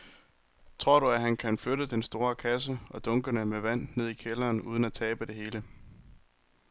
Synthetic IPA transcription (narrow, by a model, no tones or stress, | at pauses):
t͡sʰʁo̝ɐ̰ɾ̥uæɦænkʰænføɾəd̥ensd̥o̝ːɐkʰæs̬əʔɒ̽d̥ɔ̽ŋɡ̥ənəmeʋæn̰ne̝ð̰ˠikʰelɐːnuːð̞ˠən̩æt͡sʰɛːb̥əd̥e̝he̝ːlə